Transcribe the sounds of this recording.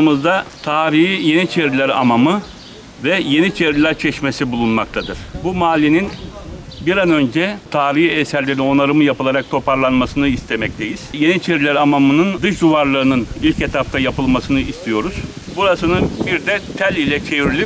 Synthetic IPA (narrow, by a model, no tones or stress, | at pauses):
ɯmɯzd̪at̪ʰaːɾiɦijenit͡ʃʰeɾilʲæɾa̰mamɯ | vɛje̞nit͡ʃʰe̞ɾilʲæɾt͡ʃʰɛʃmesibulˠunmak̚t̪ʰad̪ɯɾ̥bumaːlʲːininbiɾanø̞nd͡ʒɛt̪ʰaːɾihiɛsæɾlʲeɾinio̞naɾɯmɯjapɯlˠaɾak̚t̪ʰo̞pʰaɾlˠanmasɯnɯist̪ʰe̞mɛc̚t̪ʰejiz̥je̞nit͡ʃʰeɾilʲæɾamamɯnɯnd̪ɯʃd̪uvaɾlˠaɾɯnɯnilʲcet̪ʰap̚t̪ʰajapɯlˠmasɯnɯist̪ʰijo̞ɾuz̥ | buɾasɯnɯbiɾd̪ɛt̪ʰælʲilʲɛt͡ʃʰeviɾilʲi